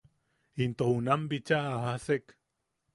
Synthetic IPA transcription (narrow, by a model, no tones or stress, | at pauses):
int̪ohunambit͡ʃaʔːɦasek